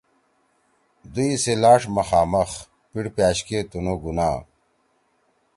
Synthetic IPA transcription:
d̪uiselaːʂmɐxaːmɐx | piɽpjaːɕket̪unoɡunaː

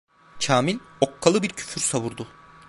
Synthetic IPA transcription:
cʰaːmilʲokʰːalˠɯbiɾcʰy̥fyɾsaβuɾd̪u

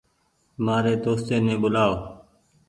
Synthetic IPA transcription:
maːɾeːd̪oːst̪eːnẽːɓʊlaːoː

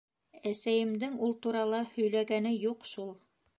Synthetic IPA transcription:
æsæjɘ̆md̪ɘŋulˠt̪uɾɑlˠɑhɵ̆jlæɡænɘjuqʃulˠ

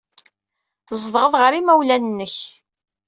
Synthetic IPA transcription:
θəzˤðʁəðʁəɾimæwlænnːəç

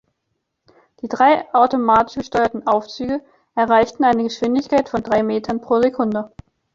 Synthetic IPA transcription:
d̥iːdʁaɪʔaʊtomaːtɪ̥ʃɡ̥əʃtɔʏɐtn̩ʔaʊft͡syːɡə | ʔɛɐʁ̞aɪçtn̩aɪnəɡəʃv̥ɪndɪçkaɪtfɔndʁaɪmeːtʰɐnpʁ̥oːzekʰʊndə

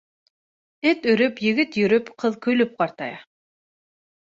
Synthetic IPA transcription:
ɪt̪ɵ̆ɾʏpjɪ̆ɡɪt̪jɵɾɵpqʰɤðkʰɵlɵp̚qʰɑɾt̪ɑ̰jɑ

